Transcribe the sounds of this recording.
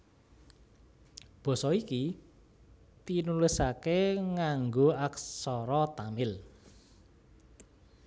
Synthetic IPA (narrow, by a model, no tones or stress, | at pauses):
b̥ɔ̤sɔiki | t̪inulɪsakeŋaŋɡoaksɔɾɔt̪amɪl